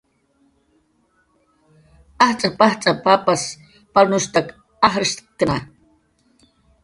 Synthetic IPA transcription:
aht͡sʼapaht͡sʼapapas | palnʊʃt̪ak | aɦɾiʃt̪kna

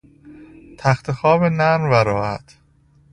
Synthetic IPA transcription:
t̪ʰæxt̪ʰexɒːbenæɾmvæɾɒːhæ̰t̪ʰ

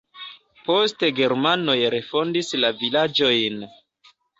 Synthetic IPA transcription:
po̞steɡe̞ɾmano̞jɾe̞fo̞ndislavilad͡ʒo̞jn

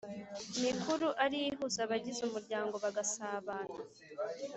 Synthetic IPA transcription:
mikuɾuʔaɾijiɦuzaβaɟizumuɾɟaːŋɡo̞βaɡasaːβaːna

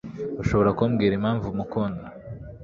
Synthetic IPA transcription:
uʃo̞βo̞ɾakuːmɡiːɾimaːɱvumukonda

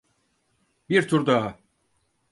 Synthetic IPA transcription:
biɾt̪ʰuɾd̪aa

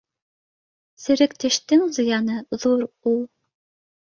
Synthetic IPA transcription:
sɘ̆ɾɘ̆kt̪ɘ̆ʃt̪ɘŋzɤ̆jɑnɤðuɾulˠ

